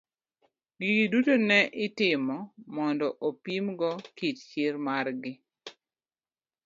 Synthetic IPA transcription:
ɡidutonɛʔɪtɪmɔmɔndɔʔopimɡɔkitt͡ʃɪɾmarɡɪ

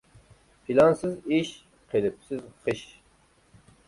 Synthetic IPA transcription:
pʰilɑnsɨziʃ | qʰelɪp̚sɪzχɨʃ

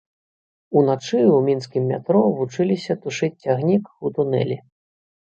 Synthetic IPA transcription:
unat͡ʂɨwmʲinskʲimːʲa̰t̪ɾɔvut͡ʂɨlʲisʲɐt̪uʂɨt͡sʲt͡sʲaɣnʲikut̪unɛ̰lʲi

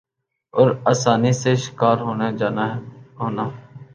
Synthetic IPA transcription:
ɔːɾaːsaːniseːʃɪ̥kaːɾɦoːneːd͡ʒaːnaɦɦoːnaː

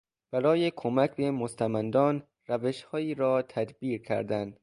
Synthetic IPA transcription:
b̥æɾɒːjekʰomæcbe̞most̪ʰæmænd̪ɒːn | ræveʃhɒːiːɾɒːt̪ʰæd̪biːɾcʰæ̰ɾd̪ænd̪̥

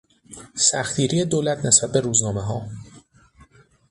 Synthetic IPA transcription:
sæxt̪iːɾijed̪oːlæt̪ʰnesbæt̪̚be̞ɾuːznɒːmeɦɒː

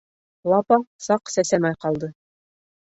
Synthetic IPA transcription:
lˠɑpɑsɑqsæsæmæjqɑlˠd̪ɤ

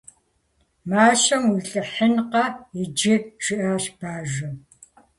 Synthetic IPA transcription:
maːɕʼɐmiɬʼɨħənqɐɪd͡ʒɪʈ͡ʂʰɪʔaʃb̥aːʒɐ

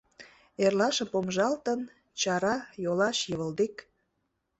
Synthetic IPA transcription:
erlɑʃəmpomʒɑlt̪ən | t͡ɕɑɾɑjolɑʃjəβə̆ld̪ek

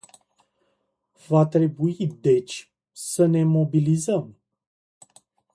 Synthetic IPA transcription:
vat̪ɾɛbuid̪et͡ʃ | sənemobilizəm

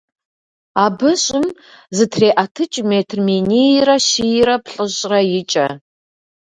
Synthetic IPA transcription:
aːbɨɕʼɪm | zɨtʰreːʔɐtʰɨt͡ʃʼmeːtʰrmenijrɐʃijɪɾɐpʰɬʼɨɕʼrɐjɪt͡ʃʼɐ

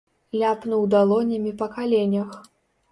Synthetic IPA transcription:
lʲapnuwd̪alˠɔnʲɐmʲipɐkalʲenʲɐx

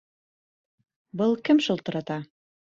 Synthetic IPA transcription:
bɤlˠkɘmʃulˠt̪ɤ̆ɾɑt̪ɑ

